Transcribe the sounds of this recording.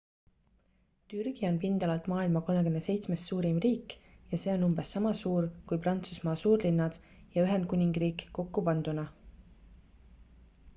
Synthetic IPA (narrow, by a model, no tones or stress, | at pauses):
t̪yɾɡ̥io̞npind̪̥ɑlɑlt̪mɑːilmɑko̞lme̞kymnese̞jt̪sme̞ssuːɾimriːkˑjɑse̞ːo̞numbe̞sːɑmɑsuːɾkujprɑnt̪susmɑːsuːrlinːɑd̪̥ | jɑyɦe̞nd̪̚kunʲiŋɡ̥riːkːo̞kːupɑnd̪̥unɑ